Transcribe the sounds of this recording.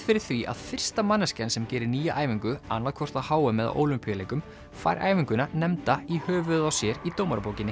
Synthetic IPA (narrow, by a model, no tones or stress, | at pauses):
fɪɾɪɾ̥θviʔa̰ð̥fɪr̥st̪amanːascɛnsɛmcɛːɾɪɾniːjaʔaːjviŋkʏa̰nːaðkʰvɔr̥t̪aðhaːwamɛða̰ʔo̰ːwlʏmpʰijaleːjkʏm | fa̰ːjɾʔa̰ːjviŋkʏnanɛmt̪aihœːvʏðawsjɛɾit̪oːwmaɾapoːwcɪnɪ